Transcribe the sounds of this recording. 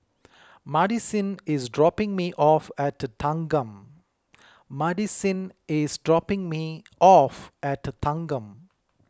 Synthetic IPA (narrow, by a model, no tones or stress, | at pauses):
maɖisĩnɪzɖɾɔpɪ̃ŋmiʔɔfɛʈt̪ʰːãŋɡə̃m | maɖisĩnɪzɖɾɔpɪ̃ŋmi | ɔfɛʈt̪ʰãŋɡə̃m